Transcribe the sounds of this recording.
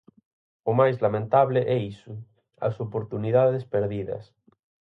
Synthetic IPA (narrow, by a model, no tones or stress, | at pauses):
ʊmajzlamẽnt̪aβleʔɛisʊ | a̰sopoɾt̪uniðaðespeɾðiðɐ̰s